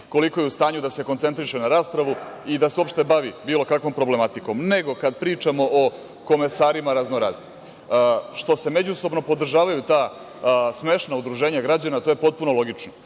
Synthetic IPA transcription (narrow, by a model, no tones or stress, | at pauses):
ko̞liko̞jeust̪aːɲud̪ase̞kont̪se̞nt̪ɾiʃenaɾaːspɾaʋuid̪aseo̞pʃt̪e̞baʋibiːlˠo̞kakʋo̞mpɾo̞ble̞mat̪iko̞mne̞ɡo̞kad̪pɾiːt͡ʂamo̞ʔo | ko̞mesaːɾimaɾaznoɾazi | ʃt̪o̞se̞me̞d͡ʑuso̞bno̞po̞d̪r̩ʒaːʋajut̪aː | sme̞ʃnaud̪ɾuʒe̞ːɲaɡɾad͡ʑanat̪o̞ːje̞po̞t̪̚punolˠo̞ɡit͡ʂno